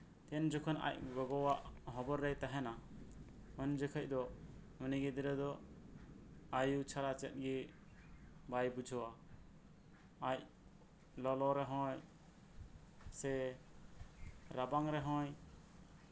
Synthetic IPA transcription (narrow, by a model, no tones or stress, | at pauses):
t̪ɛnd͡ʒɔkʰɔna̰ʔ̚ɡɔɡɔwaʔɦɔbɔɾːɛjt̪aɦɛna | ɔnd͡ʒəkʰəc̚ˀd̪ɔ | məniɡid̪iɾɛd̪ɔ | ajut͡ʃʰaɾat͡ʃɛt̪̚ɡi | bajbud͡ʒʱɔwa | ac̚ | lɔlɔɾɛɦɔ̃j | sɛ | ɾabaŋɾɛɦɔ̃j